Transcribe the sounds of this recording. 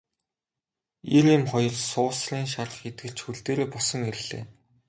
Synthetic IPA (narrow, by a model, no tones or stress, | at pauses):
erimχɔjɞ̆rsʊːsɮiːŋʃarə̆χet̪̚ɡɘ̆ɮt͡ɕxuɮt̪eːɾeːpɔsɞ̆ŋeɾɘ̆ɮ̥ḛː